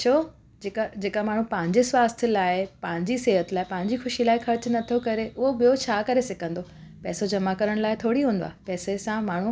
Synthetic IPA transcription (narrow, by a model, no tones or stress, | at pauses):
t͡ɕʰoː | d͡ʑekad͡ʑeːkamaːɳ̤ũpɐ̃ɦɪ̃ɲd͡ʑesʋaːst̪ʰəlaːɪpɐ̃ɦɪ̃ɲd͡ʑiseːɦət̪ɪlaːɪpɐ̃ɦɪ̃ɲd͡ʑixʊʃilaːɪxɐɾt͡ɕnɐt̪ʰokɐɾeʊɦobijot͡ɕʰaːkɐɾesɪkʰə̃nd̪o | pɛːsod͡ʑɐmakɐɾəɽ̃laːɪt̪ʰoːɽiɦũːn̆d̪a̰ːɦpɛːsesãmaːɳ̤u